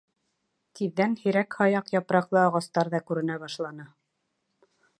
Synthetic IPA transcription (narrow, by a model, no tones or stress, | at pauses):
t̪iðːænhĭɾækhɑjɑqjɑpɾɑqlˠɤɑʁɑst̪ɑɾðɑkʉɾɘ̆næbɑʃlˠɑnɤ